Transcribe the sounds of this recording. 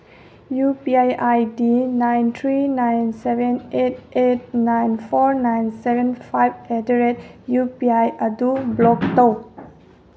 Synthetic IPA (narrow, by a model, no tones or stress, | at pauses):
jupiajajdinajnt̪ʰɾinajnsebenet̚et̚najnpʰɔɾnajnsebenpʰajbedeɾetjupiajɐdublɔktow